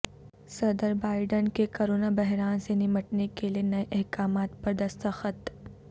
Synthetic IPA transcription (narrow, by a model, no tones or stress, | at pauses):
sɐd̪əɾbaːɪɖənkekoːɾoːnabɐɦɾaːnsenɪməʈnekelienɐeʔɛɦkaːmaːt̪̚pɐɾd̪ɐst̪əxət̪